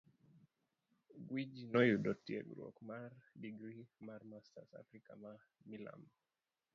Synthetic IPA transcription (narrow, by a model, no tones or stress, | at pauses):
ɡwid͡ʒinɔjuɗɔtiɛmḭɾuɔ̰kumaɾdiɡɾimaɾmastasa̰fɾikama | mila̰m